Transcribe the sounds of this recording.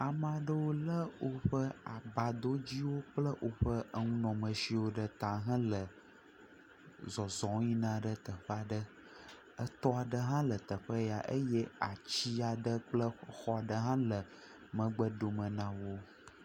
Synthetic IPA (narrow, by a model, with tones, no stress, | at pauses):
a˨mã˨ɖə˦wo˦lə˦wo˦ɸə˦a˨ba˨d̪o˦d͡ʑi˦wo˦k͡plə˦ʔo˦ɸə˦ʔə˦ŋũ˦nɔ̃˨mə̃˨si˦wo˦ɖə˦t̪ã˨ɦã˦lə˨ | zɔ˨zɔ̃˨˦ɲĩ˦nã˦ɖə˦t̪ə˨ɸə˦a˨ɖə˦ | ə˦t̪ɔ˦a˨ɖə˦ɦã˦lə˨t̪ə˨ɸə˦ja˨ʔə˦jɛ˦a˨t͡ɕi˦a˨ɖə˦k͡plə˦xɔ˦a˨ɖə˦ɦã˦lə˨ | mə̃˨ɡ͡bə˦ɖo˨mə̃˨nã˦wo˦